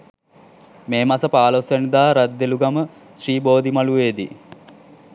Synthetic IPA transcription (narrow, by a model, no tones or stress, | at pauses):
meːmasəpaːlosjənid̪aːɾad̪ːeluɡamə | sriːboːd̪imaluʋeːd̪ḭ